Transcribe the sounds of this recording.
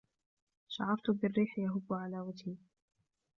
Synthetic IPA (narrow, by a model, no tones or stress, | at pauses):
ʃa̰ʕɑɾˤt̪ʊbɪrːiːħjaɦʊbːʊʕalaːwat̪iː